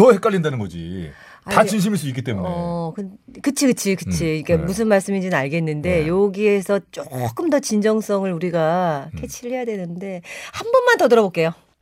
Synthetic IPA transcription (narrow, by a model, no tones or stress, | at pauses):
tʌhek͈aʎːindanɯnɡʌd͡ʑḭ | atat͡ɕinɕ̬ʰimiɭs͈uik͈it͈emuneʌkɯkɯt͡ɕʰikɯt͡ɕʰikɯt͡ɕʰiik͈amus̬ʰɯnmaɭs͈ɯmid͡ʑinɯnaɭɡe̞nːɯnde̞joɡie̞sʰʌt͡ɕ͈ok͈ɯmdʌt͡ɕind͡ʑʌŋs͈ʌŋɯɾuɾiɡakʰe̞t͡ɕʰiʎːijadwe̞nɯnde̞hambʌnmantʌdɯɾʌbok͈e̞jo